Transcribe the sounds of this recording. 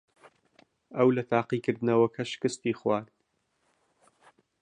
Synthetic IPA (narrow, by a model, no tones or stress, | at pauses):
ɐwlɐt̪ʰaːqiːkɨɾd̪ɨnɐwɐkʰɐʃɪ̥kɨst̪iːχwaːɾd̪